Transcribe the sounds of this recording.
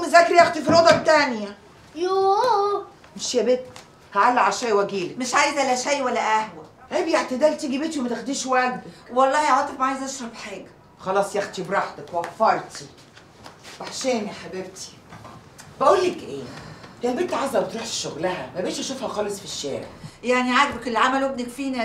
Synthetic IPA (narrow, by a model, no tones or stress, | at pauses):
mezækːɾijæxt̪ifiɾod̪ˤɑbt̪ænjæ | joː | meʃjæbet̪ː | hæʕalːæʕaʃæjwæɡiːlæmeʃʕajezʔælːæʃæjwælːæʔæhwæ | ʔæːbjeʕt̪ed̪ælt̪iɡibet̪iwemæt̪exd̪iːʃwæɡ̚d̪æwewɑlˤːɑːhiʕɑt̪ˤefmʕajezʔɑʃɾˤɑbħeːɡæ | xɑlɑːsˤjæxt̪ibɾˤɑħt̪ækwɑfːɑɾˤt̪i | baʕʃæːnħabebt̪ʰi̥ | bæʔuːlːekʔeːhjæbet̪ːʕazæwet̪ɾuːħʃʃoɣlæhæ̰mæbæʔːʃʔæʃufhæxɑːlesˤfiʃːæ̰ːɾḛʕjaʕniʕaɡbækelːiʕamælwebnekfiːnæ